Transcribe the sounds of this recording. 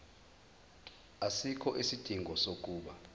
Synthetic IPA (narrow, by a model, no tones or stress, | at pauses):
asikʰɔʔisid̥ʱiŋɡʱɔsok̬ʼuːɓa